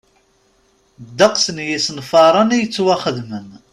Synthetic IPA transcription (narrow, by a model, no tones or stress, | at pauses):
d̪ːəqsənjisənfɑɾˤɑnijət͡sːwaχəðmən